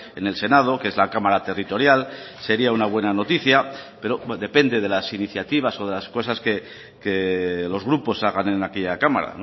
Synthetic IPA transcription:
e̞ne̞lse̞naðo̞kee̞zlakamaɾat̪e̞rit̪o̞ɾjal | se̞ɾiaunaβ̞we̞nano̞t̪iθjape̞ɾo̞ðe̞pe̞nd̪e̞ð̞e̞lasiniθjat̪iβaso̞ð̞e̞lasko̞saske̞ | ke̞lo̞zɣɾupo̞saɣ̞ane̞nake̞ʎakama̰ɾa̰no

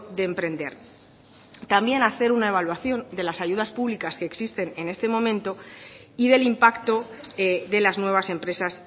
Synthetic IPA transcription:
ðe̞ːmpɾe̞nd̪e̞̰ɾ | t̪ambje̞naθe̞ɾunae̞β̞alwaθjo̞nd̪e̞lasaʝuðaspuβlikaske̞ːksist̪e̞ne̞ne̞st̪e̞mõ̞mẽ̞nt̪o | iðe̞limpakt̪o̞ðe̞laznwe̞β̞ase̞mpɾe̞sas

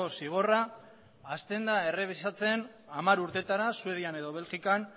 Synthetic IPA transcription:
osiɣ̞o̞raː | st̪e̞nd̪ae̞re̞β̞isat͡se̞n | amaɾuɾt̪e̞t̪aɾasue̞ðiane̞ðo̞β̞e̞lʝikan

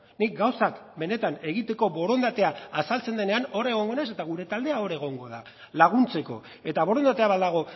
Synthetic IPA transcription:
nik̚ɡawsakbe̞ne̞t̪ane̞ɣ̞it̪e̞ko̞βo̞ɾo̞nd̪at̪eaːsalt͡se̞nd̪e̞ne̞ano̞ɾe̞ɣ̞o̞ŋɡo̞nese̞t̪aɣ̞uɾe̞t̪ald̪e̞ao̞ɾe̞ɣ̞o̞ŋɡo̞ða̰ | laɣ̞unt͡se̞ko̞̰ | e̞t̪aβ̞o̞ɾo̞nd̪at̪e̞aβaðaɣ̞o̞

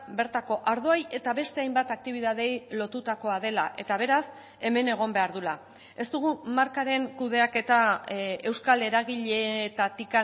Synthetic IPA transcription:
be̞ɾt̪ako̞ʔaɾð̞oaje̞t̪aβe̞st̪e̞ajmbat̪ak̚t̪iβ̞ið̞að̞e̞jlo̞t̪ut̪ako̞að̞e̞laʔe̞t̪aβ̞e̞ɾas | e̞me̞ne̞ɣ̞o̞mbe̞aɾðula | e̞st̪uɣ̞umaɾkaɾe̞ŋkuðe̞ake̞t̪ae̞wskale̞ɾaɣiʎe̞t̪at̪ika

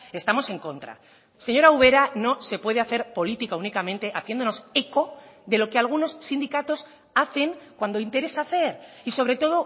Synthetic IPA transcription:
e̞st̪amo̞se̞ŋko̞nt̪ɾa̰ | seɲo̞ɾauβ̞e̞ɾano̞se̞pwe̞ð̞eaθe̞ɾpo̞lit̪ikaunikamẽ̞nt̪e̞ʔaθje̞nd̪o̞no̞se̞ko̞ðe̞lo̞kealɣ̞uno̞sːind̪ikat̪o̞s | aθe̞ŋkwand̪o̞int̪e̞ɾe̞saθe̞ɾiso̞βɾe̞t̪o̞ð̞o̞

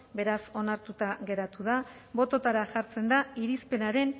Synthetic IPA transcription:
be̞ɾaso̞naɾt̪ut̪aɣe̞ɾat̪uð̞aβo̞t̪o̞t̪aɾaʝaɾt͡se̞nd̪aiɾispe̞naɾe̞n

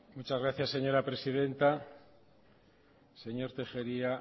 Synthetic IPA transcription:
mut͡ʃazɣɾaθjasːeɲo̞ɾapɾe̞siðe̞nt̪a | se̞ɲo̞ɾt̪e̞xe̞ɾia

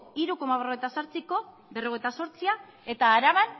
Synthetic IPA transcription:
iɾuko̞maβroejt̪asaɾt͡siko̞ | βe̞ro̞e̞jt̪aso̞ɾt͡sia | e̞t̪aːɾaβan

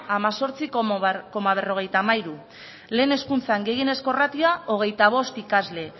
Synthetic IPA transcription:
amaso̞ɾt͡sikko̞maβ̞e̞ro̞ɣe̞jt̪amajɾu | le̞ːne̞skunt͡saŋɡe̞jene̞sko̞rat̪iao̞ɣ̞e̞jt̪aβ̞o̞st̪ikazle̞

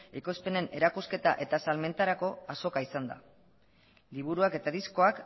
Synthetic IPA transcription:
iko̞spe̞ne̞ne̞ɾakuske̞t̪aʔe̞t̪asalme̞nt̪aɾako̞aso̞kaisand̪a̰ | liβ̞uɾuake̞t̪aðisko̞ak

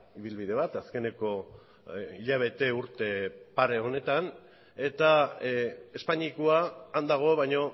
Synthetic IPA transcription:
iβilβiðe̞βat̪aske̞ne̞ko̞ | iʎaβ̞e̞t̪e̞uɾt̪e̞paɾe̞o̞ne̞t̪an | e̞t̪a | e̞spaɲikoaːnd̪aɣ̞o̞βajɲo̞

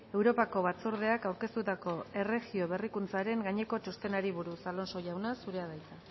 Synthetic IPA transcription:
e̞wɾo̞pako̞βat͡suɾð̞e̞akawɾke̞st̪ut̪ako̞e̞re̞ɣio̞βe̞rikunt͡saɾe̞ŋɡaɲe̞ko̞t͡ʃost̪e̞naɾiβuɾusalo̞nso̞jawnasuɾe̞aðajt͡s̪a

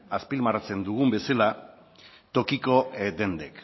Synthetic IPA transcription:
aspilmaɾat͡se̞nd̪uɣ̞umbe̞sela | t̪o̞kiko̞d̪e̞nd̪ek

